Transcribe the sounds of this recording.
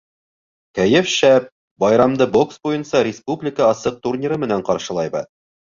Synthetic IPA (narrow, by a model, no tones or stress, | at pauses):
kæjɘfʃæp̚ | bɑjɾɑmd̪ɤbo̞ksbujɤnsɑɾʲɪspublʲɪkəɑsɤq̚t̪urʲnʲiɾɤmɘ̆næɴqɑɾʃɤ̆lˠɑjbɤ̰